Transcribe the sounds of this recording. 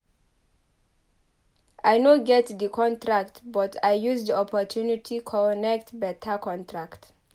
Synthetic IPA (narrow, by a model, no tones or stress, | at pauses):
ʔajnoɡɛtd̪əkʰɔ̃ntʰɹaktbɔtʰajjuzd̪iɔpʰɔtʰunitʰikʰɔnɛk̚tbɛtʰəkʰɔ̃ntʰɹakt